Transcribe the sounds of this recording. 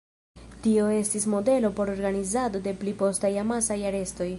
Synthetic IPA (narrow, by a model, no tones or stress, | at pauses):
tio̞e̞stismo̞de̞lo̞po̞ɾo̞ɾɡanizado̞de̞plipo̞stajamasajaɾe̞sto̞j